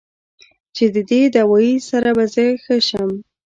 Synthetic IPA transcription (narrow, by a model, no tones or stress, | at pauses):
t͡ʃed̪əd̪ed̪awɑjisaɾabazəxəʃəm